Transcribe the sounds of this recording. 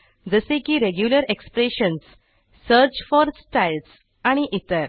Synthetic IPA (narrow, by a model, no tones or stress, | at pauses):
d͡zəsekiːɾeɡjuləɾekspɾeɕəns | səɾt͡ɕfɔɾsʈajls | aɽ̃iʔit̪əɾ